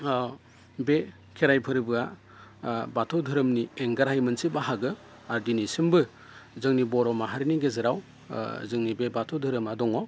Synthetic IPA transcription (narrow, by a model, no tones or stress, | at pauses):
be | kʰeɾajpʰɯɾbɯa | batʰɔdʱɯɾɯmnieŋɡaɾajmɯnsibaɦaɡɯ | aɾdinisɯmbɯ | zɯŋnibɔɾɔmaɦaɾiniɡezɯɾaw | zɯŋnibebatʰɔdʱɯɾɯmadɔŋɔ